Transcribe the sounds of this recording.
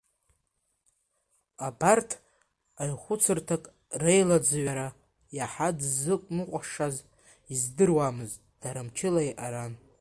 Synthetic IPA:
abartʰ | ajχʷʊt͡sʰɨrtʰakʼ | rejlad͡zɨɥaɾa | jaħadzɨkʷʼnɨqʷʼaʂaz | izdɨrwamɨztʼd̥aɾɨmt͡ʃʰɪlajʔaɾan

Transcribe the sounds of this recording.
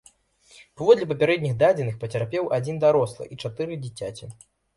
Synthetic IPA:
pavɔd̪lʲɛpɐpʲaɾɛd̪̚ʲnʲixd̪ad͡zʲɛnɨxpɐt͡sʲarpʲɛwʔad͡zʲind̪aɾɔslˠɐ̰ʔit͡ʂat̪ɨɾɨd͡zʲit͡sʲat͡sʲi

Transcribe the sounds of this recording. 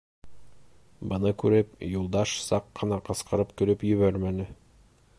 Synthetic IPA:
bɤ̆nɤkʉɾɘpjulˠd̪ɑʃsɑqːɤ̆nɑqɤ̆sqɤ̆ɾɤp̚kɵ̆ɾɵpjɵ̆βæɾmænɘ

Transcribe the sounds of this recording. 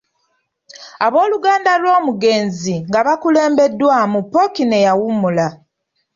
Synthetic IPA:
aβo̞ːluɡaːndalwo̞ːmuɡe̞ːnziŋɡaβakule̞ːmbe̞dːwaːmupːokine̞jawumula

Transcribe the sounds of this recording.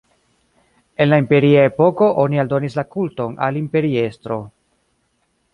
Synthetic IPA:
e̞nlaimpe̞ɾiae̞po̞ko̞ʔo̞nialdo̞nislakulto̞na̰limpe̞ɾie̞stɾo̞

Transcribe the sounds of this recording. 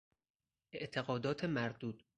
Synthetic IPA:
ʔeʔt̪ʰeɣɒːd̪ɒːt̪ʰemæɾd̪uːd̪̥

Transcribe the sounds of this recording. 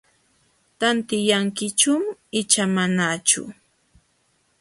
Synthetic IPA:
t̪ant̪ɪjaŋkɪt͡ʃʊmɪt͡ʃamanat͡ʃʊ̰

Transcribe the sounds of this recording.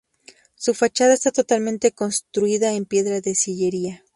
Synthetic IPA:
sufat͡ʃað̞aest̪at̪ot̪almẽnt̪e̞ko̞nst̪ɾuiðaempje̞ðɾaðe̞siʝeɾia

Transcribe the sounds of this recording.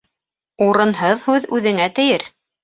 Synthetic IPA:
uɾɤ̆nɦɤðhʉðʉðɘ̆ŋæt̪ɘ̆jɘɾ

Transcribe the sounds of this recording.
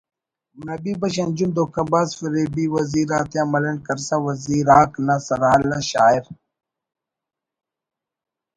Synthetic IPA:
nɐbiːbɐɕ̬ɐnd͡ʒumd̪oːkɐbaːzfɐɾebiwɐziːɾaːt̪eɐmɐlɐnkɐɾsawɐziːɾaːknasɐɾaːlɐɕaːiɾ

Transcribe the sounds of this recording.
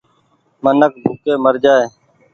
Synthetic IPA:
mənək̚bʱuːkeːməɾd͡ʒaːeː

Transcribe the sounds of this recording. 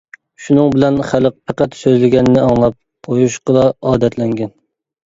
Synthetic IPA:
ʃunɨŋbɪlɛnχæləq̚pʰɑqɑt̪søzlɪɡʲɛnɪnɪɑŋlˠɑp̚qʰojuʃqʰəlˠɑɑːd̪ɛt̪ʰlɛŋɡʲɛn

